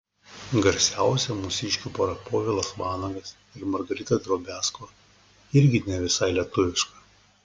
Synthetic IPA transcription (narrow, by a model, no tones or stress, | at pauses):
ɡɐɾʲsʲæˑʊsʲɛmʊsʲɪʃʲkʲuːpoːɾɐpoːʋʲɪlˠɐsʋɑːnɐɡɐs | ɪɾmɐɾɡɐɾʲɪt̪ɐd̪ɾoːbʲæːskʋɐ | ɪɾʲɡʲɪnʲɛʋʲɪsɐɪlʲiɛt̪ʊʋʲɪʃkɐ